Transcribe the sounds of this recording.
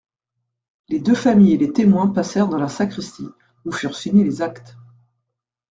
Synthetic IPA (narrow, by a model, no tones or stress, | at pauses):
led̪øfamijelet̪emwɛ̃pasɛʁd̪ɑ̃lasakχist̪i | ufyʁsiɲelezakt̪